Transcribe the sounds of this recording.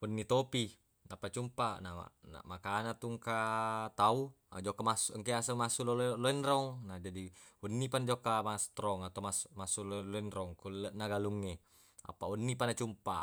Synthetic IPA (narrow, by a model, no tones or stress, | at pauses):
unːit̪opi | napat͡ʃumpanaa̰na̰makanat̪uŋkat̪auad͡ʒɔkːamasuŋkiasamasulolloinɾɔŋnad͡ʒadiunːipand͡ʒɔkːamast̪ɾɔŋat̪aumasmasulloinɾɔŋkulənaɡaluŋːe | a̰paunːipanat͡ʃumpa̰